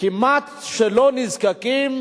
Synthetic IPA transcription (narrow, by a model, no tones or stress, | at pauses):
kimat̪ʃelonizkakim